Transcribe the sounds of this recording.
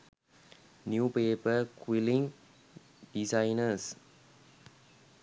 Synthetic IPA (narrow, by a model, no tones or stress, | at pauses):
njuːpeːpəkwiliŋ | ɖisaɪnəs